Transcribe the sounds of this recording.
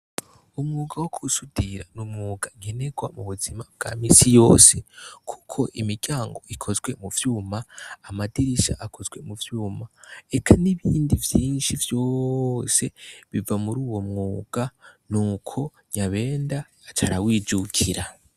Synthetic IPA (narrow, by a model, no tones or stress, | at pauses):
umŋuːɡawokʰusud̥iɾanumŋuːɡaɡe̞ne̞ɡwamuβuzimabɡ̥a̰miːsijo̞ːse̞kʰu̥kʰo̞ʔimiɟ̥aːŋɡo̞̰ʔikʰo̞zɡwe̞muvjuːmaːmadiɾiʃa̰ʔakʰo̞zɡwe̞muvjuːmaekʰaniβiːndivjiːnʃivjo̞se̞βivamuɾuːwo̞mŋuːɡ̥anuːkʰo̞ | ɲaβe̞ːndaːt͡ʃaɾawiːd͡ʒukʰiɾa